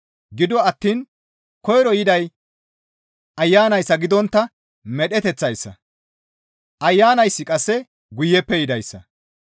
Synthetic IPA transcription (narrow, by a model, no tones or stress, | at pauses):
ɡɪd̪ɔɐt̪ːiːn | kɔjɾɔjɪd̪ɐj | ʔɐjːaːnɐjsːɐɡɪd̪ɔnt̪ːɐ | mɛɗɛt̪ɛt͡sːɐjsːɐ̰ | ʔɐjːaːnɐjsːɪkʼɐsːɛ | ɡʊjːɛpːɛjɪd̪ɐjsːɐ̰